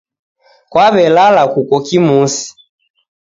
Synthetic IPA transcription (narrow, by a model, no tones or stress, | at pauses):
kwaβɛlalakukɔkimusi̥